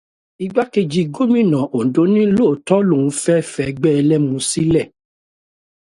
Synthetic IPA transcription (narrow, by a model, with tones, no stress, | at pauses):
i˧ɡ͡ba˦ke˧d͡ʒi˧ɡo˦mĩ˦˨nã˨ʔo˨n̩˨do˨˦nĩ˦lo˦˨tɔ˦lo˦˨ũ˨˦fɛ˦fɛ˦˧ɡ͡bɛ˦ɛ˧lɛ˦mũ˧˦si˦lɛ˦˨